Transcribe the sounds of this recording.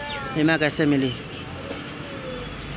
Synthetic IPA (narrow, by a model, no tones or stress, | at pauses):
ɪmakasɛmilɪ